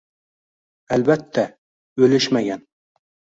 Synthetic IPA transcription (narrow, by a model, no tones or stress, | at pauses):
ælbæt̪ʰːæ | ɵlɪʃmæɡʲæn